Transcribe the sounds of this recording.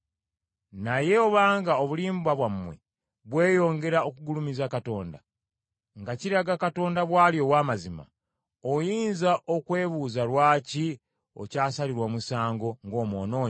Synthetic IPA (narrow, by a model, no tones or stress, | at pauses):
naje̞oβaːŋɡaoβuliːmbwaβwamːwḛ | βwe̞ːjo̞ːŋɡe̞ɾao̞kuɡulumizakato̞ːnda | ŋɡaciɾaɡakato̞ːndaβwaːljo̞waːmazima̰ | ojiːnzaʔo̞kwe̞ːβuzalwaːci | o̞̰caːsaliɾwamusaːŋɡo̞ŋɡo̞ːmwo̰ːno̞ːɲ